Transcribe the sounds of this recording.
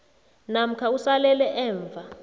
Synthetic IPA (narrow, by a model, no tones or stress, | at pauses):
nam̩kʰausalɛlɛʔɛːɱvʱa